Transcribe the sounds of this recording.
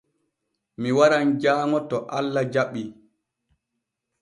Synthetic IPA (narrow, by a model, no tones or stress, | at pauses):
miwaɾand͡ʒaːŋɔtɔʔalːad͡ʒaɓːi